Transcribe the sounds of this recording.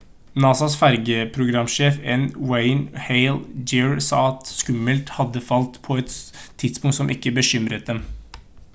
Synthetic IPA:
nɑːsɑsfæɾɡəpʰɾʊɡɾɑmːʃeːfɛnweɪnheɪld͡ʒɪɹsɑ̰ːɑt̪skʉmːəlt̪hɑd̪ːəfɑlt̪pʰɔɛt̪ʰːɪd̪spʊŋt̪sɔmʔɪ̰kːəbəʃʏmɾət̪̚d̪ɛm

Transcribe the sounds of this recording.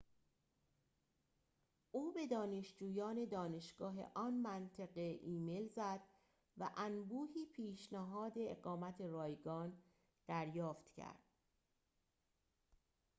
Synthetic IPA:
ʔuːbe̞d̪ɒːne̞ʃd͡ʒuːjɒːne̞d̪ɒːne̞ʃɡ̥ɒːɦe̞̰ʔɒːnmænt̪ʰeɢeʔiːme̞lzæd̪̥ | væʔænbuːhiːpʰiːʃnæɦɒːd̪e̞ḛɣɒːmæt̪ʰe̞rɒːjɡɒːn | d̪̥æɾjɒːft̪cʰæ̰ɾd̪̥̚

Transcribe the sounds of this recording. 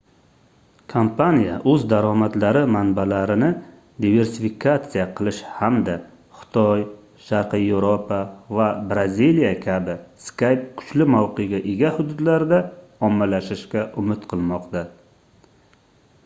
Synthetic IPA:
kʰompʰanijaʔɵzd̪aɾɒmat̪laɾɪmanbalaɾɪnɪ | d̪ive̞ɾsɪfikʰat̪sɨjaqʰɨlˠɪʃhamd̪a | χɨ̥t̪ʰɒj | ʃaɾqɨjevɾopʰavabɾazilijakʲʰabɪskajp̚kʰʊ̥t͡ʃlɪmawqʰɨɡʲaʔeɡʲahʊd̪ʊd̪laɾd̪a | ɒmːalaʃɪʃkʲaʔʊmɪt̪qʰɨlˠmɒqt̪a

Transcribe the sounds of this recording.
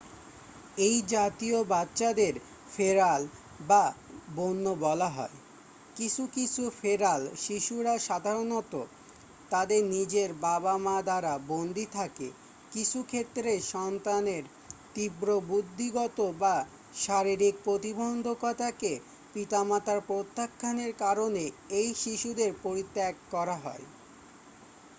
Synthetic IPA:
ejd͡ʑat̪iobatːɕad̪eɾ | feɾal | babonːobɔlaɦɔ̰e | kit͡ɕʰukit͡ɕʰufeɾalʃiʃuɾaʃad̪ʱaɾonɔt̪o̰ | t̪ad̪eɾnid͡ʑeɾbabamad̪aɾabond̪ʱit̪ʰakḛ | kit͡ɕʰukʰet̪ːɾeʃɔnt̪aneɾ | t̪ibɾobud̪ʱːiɡɔt̪oba | ʃaɾiɾik̚pɾot̪ibɔnd̪ʱokɔt̪ake | pit̪amat̪aɾpɾot̪ːakʰːaneɾkaɾoneejʃiʃud̪eɾpoɾit̪ːakkɔɾaɦɔ̰e

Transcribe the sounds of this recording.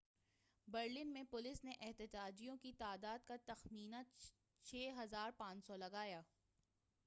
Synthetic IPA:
bɐɾlɪnmẽpʊlɪsneʔɛɦt̪ɪd͡ʒaːd͡ʒijõkit̪aːd̪aːd̪kat̪ɐxmiːna | t͡ʃʰeːɦɐzaːɾpãːt͡ʃsɔlɐɡaːjaː

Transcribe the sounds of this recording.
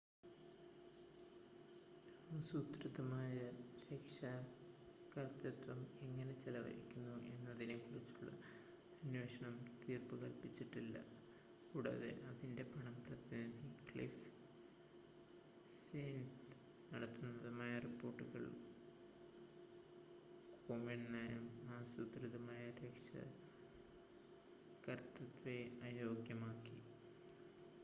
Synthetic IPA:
asuːt̪ɾɨðɐmaːjɐɾeːkʂɐ | kɐrt̪ɐt̪ʋɐme̞ŋːɐne̞t͡ɕelɐʋɐ̰ɾḭkʲːunːuʔe̞nːɐðinekurit͡ɕːuɭːɐ̰ | ɐnweːʂɐɳɐmt̪iːrpuɣɐlpit͡ɕːiʈːilːɐ̰ | kuːɽɐ̰ðḛʔɐðinde̞pɐɳɐmprɐðɐnɐðikɭif | seːnt | nɐɽɐt̪ːunːɐðɨmaːjɐripːo̞ːrʈːuɣɐ̰ɭ | koːmeɳnɐjmaːsut̪riðɐmaːjɐɾjɐkʂɐ̰ | kɐrt̪ɐt̪ʋeɐjo̞ːɡjɐmaːkːi

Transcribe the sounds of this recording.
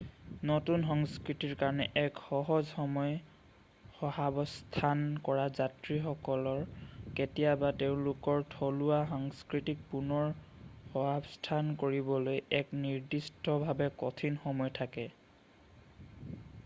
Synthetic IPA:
nɔtunxɔŋskɹitiɹkaɹɔnɛʔɛkxɔɦɔzxɔmɔj | xɔɦabɔstʰankɔɹazatɹixɔkɔlɔɹketijabateʊ̃lʊkɔɹtʰɔluaxɔŋskɹitik̚punɔɹxɔɦabstʰankoɹibɔlojɛkniɹdistɔbʱabɛkɔtʰinxɔmɔjtʰakɛ

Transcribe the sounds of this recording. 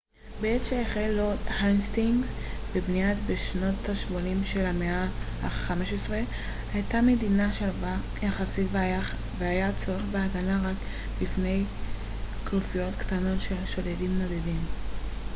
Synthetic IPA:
beetʃeeχelothanstiŋɡzbebniatbeʃno̞thaʃmonimʃe̞lhameahaχameʃesʁe | hajtame̞dinaʃalva | jaχasitv | veajat͡soʁeχbeaɡanaʁak | bifne̞j | klufijo̞tktano̞tʃe̞lʃo̞dedimno̞d̪edim

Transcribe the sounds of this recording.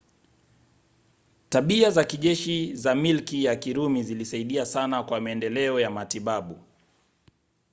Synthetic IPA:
taɓiazakiʄɛʃizamilkijakiɾumizilisaiɗiasanakwamaɛndɛlɛɔjamatiɓaɓu

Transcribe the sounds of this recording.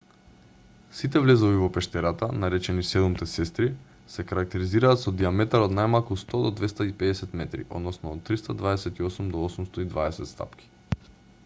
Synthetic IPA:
sit̪̬ɛvlɛzɔvivɔpɛʃt̪ɛɾat̪anaɾɛt͡ʃɛnisɛd̪umt̪ɛsɛst̪ɾi | sɛkaɾak̚t̪ɛɾiziɾaːt̪sɔd̪iamɛt̪aɾot̪najmalˠkust̪ɔd̪ɔd̪vɛst̪aipɛd̪ɛsɛt̪mɛt̪ɾḭʔɔ̰d̪nɔsnɔːt̪ːɾist̪ad̪vaɛsɛt̪iosumd̪ɔosumst̪oid̪vaɛsɛt̪st̪a̰pki̥

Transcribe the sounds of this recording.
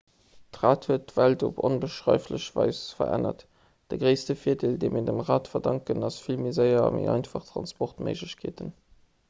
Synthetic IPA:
tʁaːthuət̚dv̥æltoponbəʃʁɑɪfləɕvɑɪsfɐ̰ʁæ̰nɐ̰t | d̥əɡʁəɪstəfiːədeːldeɪmiːɐdəmʁaːtfɐdɑŋkənɑsfilmizəɪɐmḛʔɑɪnfɑχtʁɑnspɔχtmə̰ɪʒləɕkʰḛːtən

